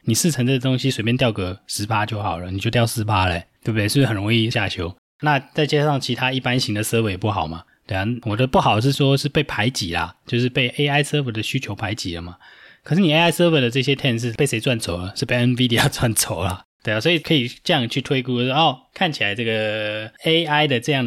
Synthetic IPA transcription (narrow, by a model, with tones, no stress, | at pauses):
ni˨˩ʂɻ̩˥˩ʈ͡ʂʰə˧˥ŋt͡sɤ˥˩ɡə˩t̪ʊ˥ŋɕi˥swe˧˩p̬jɛ˥nt̪jɑ˥˩ʊkɤ˧˩ʂɻ̩˧˥pʰa˥t͡ɕjo˥˩ʊxɑ˨˩ʊlə˦ni˨˩t͡ɕjo˥˧ʊtjɑ˥˧ʊsɹ̩˧˥pʰa˥lə˨e˧˦t̪we˥˩b̚d̪e˥˩ʂ̩˥xə˨˩nɻo˧˥ŋi˥˧ɕja˥˩t͡ɕʰjo˧˥ʊ | na˥˧t͡sa˥˩ɪt͡ɕja˥ɑ˥˩ŋt͡ɕʰi˧˥t̪ʰa˥i˥˩pa˦nɕi˧˥ŋd̪ə˨sɤ˥we˧˥jɛ˨˩pu˥˩xɑ˨˩ʊma˦ | t̪we˥˧a˨˩wɔ˨˩t͡ɕə˧pu˥˩xɑ˨˩ʊdʂɻ̩˥˩ʂwɔ˥ʂɻ̩˥˧pe˥˩ɪpʰa˧˥ɪt͡ɕḭ˨˩lɐ̰˦t͡ɕjo˥˧ʊʂɻ̩˥˧pe˥˩ɪʔe˥ɪa˥˩ɪsə˥wə˧˩d̪ə˨ɕy˥t͡ɕʰjo˧˥ʊpʰa˧˥ɪt͡ɕḭ˨˩lə˦ma˩kʰə˨˩ʂɻ̩˥˩ni˨˩e˥a˥ɪsə˥wə˧˥d̪ə˨ʈ͡ʂɤ˥˩ɕ̬jɛ˥t̪ʰjɛ˥˧nʂ̬ɻ̩˥˩pe˥˩ɪse˧˥t͡swa˥˩nt͡so˨˩ʊlə˦ʂɻ̩˥˧˩pe˥˧ə˥nfi˥d̪i˧a˨˩t͡swa˥˩nt͡sʰo˨˩ʊlɐ˦t̪we˥˧˩a˩swɔ˧˥i˨kʰɤ˧˥i˨˩ʈ͡ʂɤ˥˧jɑ˥˧ŋt͡ɕʰy˥˩t̪ʰwe˥ɪku˥t͡ɕjo˥˧wɔ˥˩kʰa˥˩nt͡ɕʰi˨˩la˧˥ɪʈ͡ʂɤ˥˩ɡə˩e˥ɪa˥ɪd̪ə˨ʈ͡ʂɤ˥˧jɑ˥˩ŋ